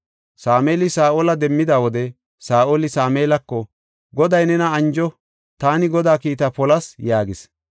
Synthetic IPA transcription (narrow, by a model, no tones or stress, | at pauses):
saːmeːlɪsaːʔoːlɐd̪ɛmːɪd̪aːwɔd̪ɛ | saːʔolɪsaːmeːlɐkːɔ | ɡɔd̪ɐjnɛnɐɐnd͡ʒɔ | t̪aːnɪɡɔd̪aːkiːt̪ɐpɔlɐsjaːɡɪs